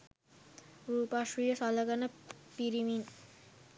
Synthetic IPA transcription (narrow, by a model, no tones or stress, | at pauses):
ɾupaʃijasalaɡanapiɾimin